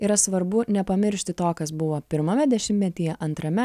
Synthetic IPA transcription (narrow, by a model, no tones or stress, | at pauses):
ɪɾɐsʋɐɾbʊnʲɛpɐmʲɪɾʲʃʲt̪ʲɪt̪oːkɐsbʊʋoːpʲɪɾmɐmʲɛd̪ʲɛʃʲɪmʲtʲɛt̪ʲɪjɛʔɐnt̪ɾɐmʲɛ